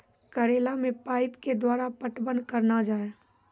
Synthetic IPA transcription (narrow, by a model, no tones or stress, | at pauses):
kəɾeːlamẽpaːɪpked̪waːɾapəʈbənkəɾnad͡ʒaːe